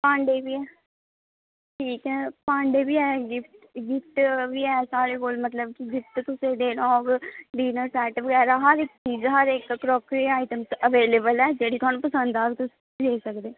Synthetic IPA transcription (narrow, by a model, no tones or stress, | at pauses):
pãːɳɖeːbiɛː | ʈʰiːkɛːpãːɳɖeːbiɛːɡɪfʈɡɪfʈʋiɛːsaːɽekoːlmɐt̪ləb̚kiɡɪt̪t̪ʊsed̪eːñɔːɡɖiːnəɾsɛːʈəpɡɛːɾaɦɐɾɪk̚t͡ʃiːzɦɐɾekkɾɔːkɾiaːɪʈəmsəʋeːleːbəlɛːd͡ʒeːɽikɔːnpəsə̃nd̪aːbit̪ʊs | d̪eːsəkd̪eː